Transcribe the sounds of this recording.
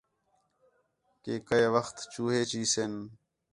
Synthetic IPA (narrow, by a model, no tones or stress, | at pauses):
keːkəeʋəxt̪t͡ʃuːɦeːt͡ʃiːseːn